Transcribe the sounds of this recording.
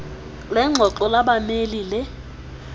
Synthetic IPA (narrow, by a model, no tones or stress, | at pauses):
lɛŋ͡ǁʱɔǃɔlabamelilɪ